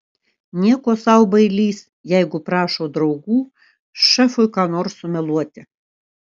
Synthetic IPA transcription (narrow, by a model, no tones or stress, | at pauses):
nʲiɛkoːsɑʊbɐɪlʲiːs | jɛɪɡʊpɾɑːʃoːd̪ɾɐʊɡuː | ʃɛfʊjkɑːnoːɾsʊmʲɛlˠuɔt̪ʲɪ